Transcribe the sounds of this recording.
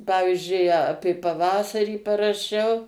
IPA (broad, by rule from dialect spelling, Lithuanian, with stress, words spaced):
ˈpɑːʋʲɪzʲd͡ʒʲʊɪ ˈɑːpʲeː pɐˈʋɑːsɐrʲiː pɐrɐˈʃʲɛʊ